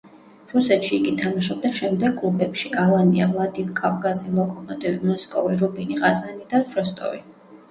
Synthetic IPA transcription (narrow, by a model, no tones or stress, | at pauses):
ɾusɛt̪ʃiːɡit̪ʰamaʃɔb̚d̪ɛnʃɛmd̪ɛɡ̚kʼlˠubɛpʃiʔalˠania̰vlˠad̪imkʼavkʼazilˠɔkʼɔmʼɔt̪ʼivimɔskʼɔviɾubiniʁazanid̪at̪ʰɾɔst̪ʼɔ̰vḭ